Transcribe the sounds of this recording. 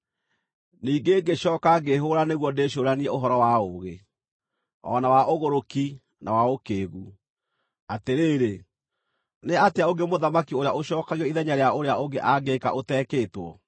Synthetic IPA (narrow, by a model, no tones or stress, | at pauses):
niːɡeɡeʃɔːkaɡeɦoɾaneɣwɔndeɕ̬oɾaniɛoɦɔɾɔwaoːɣe | ɔ̰nawaʔoɣoɾoki | nawaokeːɣu | ateɾeːɾe | neateaoŋɡemoðamakioɾeaoɕɔːkaɣiɔiðɛɲaɾeaoɾeaoɡeʔaɡeka̰ʔotɛːkeːtwɔ̰